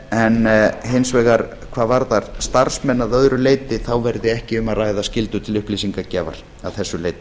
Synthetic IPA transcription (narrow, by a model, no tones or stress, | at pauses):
ɛnɦensvɛːɣaɾ | kʰv̥aːvaɾðaɾ̥st̪aɾr̥smɛnːaðœðɾʏleːjt̪ɪθawvɛɾðɪɛhcɪʏmarajðascɪlt̪ʏt̪ʰɪlʏhplisiŋkacɛːva̰ɾ̥ | aðθɛsːʏleːjt̪